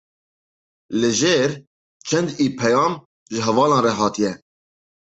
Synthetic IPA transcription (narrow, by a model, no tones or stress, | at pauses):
lɨʒeːɾ | t͡ʃʰɛnd̪iːpʰɛjɑːm | ʒɪɦɛvɑːlɑ̃ːnrɛɦɑːt̪ʰijɛ